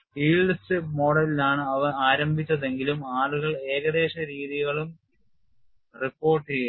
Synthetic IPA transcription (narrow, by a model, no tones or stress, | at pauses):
iːɭɐstɨmo̞ːɽɐlilaːɳɨɐʋɐaːɾɐmbʱit͡ɕːɐðe̞ŋɡilumaːɭuɣɐɭe̞ːɣɐðe̞ːɕɐɾiːðiɣɐɭum | ripːo̞ːrʈːej